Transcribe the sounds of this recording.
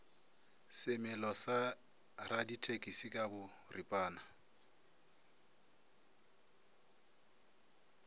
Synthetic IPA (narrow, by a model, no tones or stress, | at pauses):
sɪmɪlɔsa | raditʰʼekʼisikʼabʊ | ripʼaːna